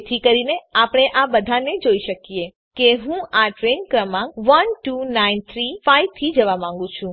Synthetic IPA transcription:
t̪ʰikəɾineapəɽ̃eʔabəd̪ʱaned͡ʒoiʃəkije | keɦũaʈɾenkɾəmãkʋənʈunaint̪ʰɾifaiʋt̪ʰid͡ʒəʋamãŋɡũt͡ʃʰũ

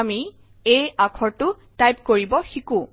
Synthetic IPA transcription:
ami | ejakʰɔɹtʊ | tajp̚koɹibɔxikũ

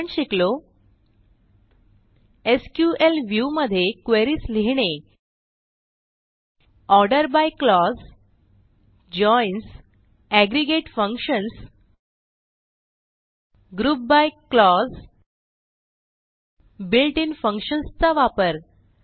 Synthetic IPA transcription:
ɳɕiklo | eskjuʔelʋjuməd̪ʱːjekʋeɾiːsliɦɳ̃e | ɔɾɖəɾbajklɔs | d͡ʑɔjns | æɡɾiɡeʈfə̃ŋkɕəns | ɡɾuːp̚bajklɔs | bilʈinfə̃ŋkɕənst͡saʋapəɾ

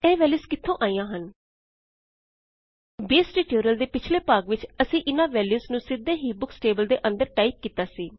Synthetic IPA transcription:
ɛ̃ːʋɛːljuːskɪt̪ʰːõːʔaːijãːɦən | beːsʈiːʈoːɾijəld̪eːpɪt͡ʃʰleːpaːɡʋɪt͡ʃəsĩːʔɪnãːʋɛːljuːsnũːsɪd̪ːẽːɦiːbʊksʈeːbəld̪eːʔə̃nd̪əɾʈaːiːk̚kiːt̪aːsiː

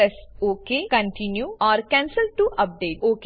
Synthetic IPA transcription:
ɛsoːkekɐ̃ɳʈinjuɔːɾkɛ̃ːnsəlʈuʔɐp̚ɖeːʈoːk

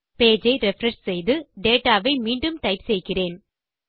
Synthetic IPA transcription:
peːd͡ʒɐɪɾɛfɾɐʂsɛjðɯɖeːʈaːʋɐɪmiːɳɖɯmʈɐɪpsɛjkɪreːn

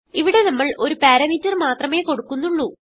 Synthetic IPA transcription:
iʋiɽe̞nɐmːɐɭʔo̞ɾupaːɾɐmitːɐrmaːt̪rɐme̞ːko̞ɽukːunːuɭːu

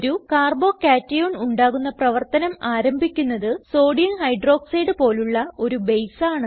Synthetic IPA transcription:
ɾukaːrbo̞ːkaːtːɐjoːɳuɳɖaːɣunːɐprɐʋɐrt̪ɐnɐmaːɾɐmbʱikʲːunːɐðɨso̞ːɖijɐnhɐjɖro̞ːkseːɽɨpo̞ːluɭːɐo̞ɾubejsaːɳɨ

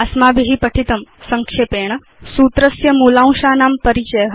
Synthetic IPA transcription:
ɐsmaːbʱiɦipɐʈʰit̪əmsɐŋkʂeːpeːɳ̃ | suːt̪ɾəsjɐmulãw̃ʃaːnaːmpəɾit͡ɕəjəɦ

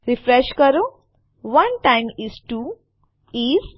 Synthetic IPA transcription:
ɾifɾeʃkəɾo | ʋɐ̃nʈãɪ̃mizʈu | iz

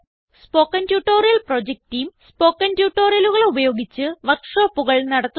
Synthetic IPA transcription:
spo̞ːkːɐntjuːʈːo̞ːrijɐlprod͡ʑek̚tːiːmspo̞ːkːɐntjuːʈːo̞ːrijɐluɣɐɭeubɐjo̞ːɡit͡ɕːɨʋɐkʂoːpːuɣɐɭnɐɽɐt̪ː

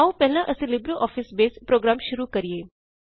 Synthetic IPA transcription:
aũpɛɦlãʔəsĩlibɾiʔɔːfisbeːspɾoɡɾaːmʃʊɾukəɾijeː

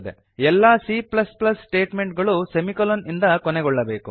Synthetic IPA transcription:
d̪ḛ | ɛlːaːsiːplɐsplɐssʈe̞ːʈme̞ɳʈɡɐɭusemikolonind̪ɐkɔnɛɡɔɭːɐbe̞ːku

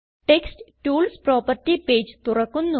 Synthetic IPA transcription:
ʈeksʈʈuːlspɾɔːpɐɾʈipeːd͡ʒt̪uɾɐkːunːu

